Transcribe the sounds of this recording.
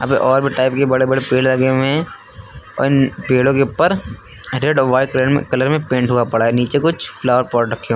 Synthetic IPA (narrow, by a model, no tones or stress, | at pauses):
ɐ̰beʔɔːɾbʱiʈaːɪpkebɐɽebɐɽepeːllɐɡeɦẽ | ɔ̰ːɾɪnpeːɽõkepəɾ | ɾeɖʋaːikleɖmḛkɐləɾmẽpẽːɳʈɦuapɐɽaɛniːt͡ʃekʊt͡ʃʰplaːʋəɾpɔːɾɾɐkʰːijõ